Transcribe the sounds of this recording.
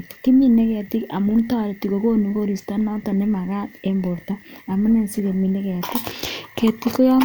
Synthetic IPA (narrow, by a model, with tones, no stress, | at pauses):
ti̥˨ki˦mi˦ne˦ɣe˨a˨ti˦a˨mu˦nta˦ɾe˨ti˨ɣo˨ko˦nu˨ko˦ɾi˨sta˦na˦ta˨ne˦ma˨ɣa˦embo˨ɾta˦a˨mo˦ne˦nsi˦ɣe˨mi˨ne˦ɣe˨a˨ti˦ke˨ti˦ko˦ja˦